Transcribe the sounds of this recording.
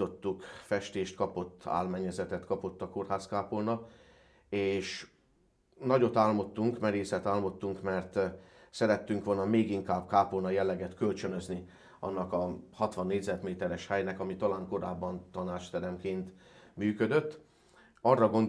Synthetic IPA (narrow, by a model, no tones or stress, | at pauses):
o̞t̪ːukfɛʃt̪eːʃt̪̚kɒpo̞t̪ːa̰ːlmɛɲːɛzɛt̪ɛt̪kɒpo̞t̪ːɒko̞rɦaːskaːpolnɒ | eːʃ | nɒɟo̞t̪aːlmo̞t̪ːuŋkmɛɾeːsɛt̪aːlmo̞t̪ːuŋkmɛrt̪ | sɛɾɛt̪ːyŋkʋo̞lnɒmeːɡiŋkaːbkaːpolnɒjɛlːɛɡɛt̪kølt͡ʃønø̞zni | ɒ̰nːɒkɒhɒt̪ʋɒnːeːɟzɛt̪meːt̪ɛɾɛʃhɛjnɛkɒmit̪ɒlaːŋko̞ɾaːbːɒnt̪ɒnaːt͡ʃt̪ɛɾɛmkeːnt̪myːkød̪øt̪ː | ɒrːɒɡo̞nd̪